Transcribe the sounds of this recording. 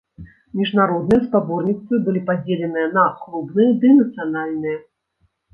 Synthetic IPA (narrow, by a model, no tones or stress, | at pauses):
mʲiʐnaɾɔd̪nɨjɐspabɔrnʲit̪svɨbɨlʲipad͡zʲelʲɛnɨjɛnɐkɾubnɨjɛd̪ɨnɐt̪sɨjanalʲnɨjɛ